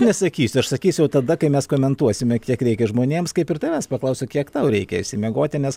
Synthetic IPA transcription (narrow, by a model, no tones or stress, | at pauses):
nʲɛsɐkʲiːsʲʊɐʃsɐkʲiːsʲʊjɛʊt̪ɐd̪ɐkɐɪmʲɛskoːmʲɛnt̪uɔsʲɪmʲɛkʲiɛkɾʲɛɪkʲɛʒmoːnʲeːmskɐɪpɪrt̪ɐɪʋʲɛːspɐklˠɐʊsʲokʲiɛkt̪ɐʊɾʲɛɪkʲɛɪʃʲsʲɪmʲɛɡoːt̪ʲɪnʲɛs